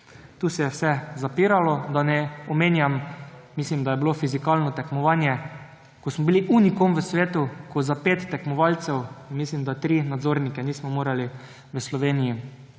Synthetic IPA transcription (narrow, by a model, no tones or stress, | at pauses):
t̪uːsɛjɛwsɛzapiːɾalɔd̪anɛɔmeːnjammislimd̪ajɛbilofizikalnɔt̪ɛkmɔʋaːnjɛ | kɔsmɔbiliʔunikomʋəsʋeːt̪ukɔzapeːt̪ːɛkmɔʋalt̪sɛwnmislimd̪at̪ɾiːnad̪zoːɾnikɛniːsmɔmoːɾali | ʋəslɔʋeːniji